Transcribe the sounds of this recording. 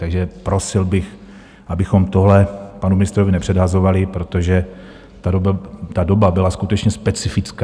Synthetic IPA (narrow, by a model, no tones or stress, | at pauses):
t̪aɡʒɛpɾo̞sɪlbɪx | ʔabɪxo̞mt̪oɦlɛpanumɪnɪst̪ɾo̞vɪnɛpr̥ɛdɦazo̞valɪpɾo̞t̪o̞ʒɛ | t̪aobt̪ado̞babɪlaskut̪ɛt͡ʃɲɛspɛt͡sɪfɪt͡sk